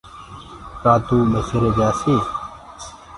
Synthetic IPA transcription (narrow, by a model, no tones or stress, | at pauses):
kaːt̪uːmɐsiɾed͡ʑaːsi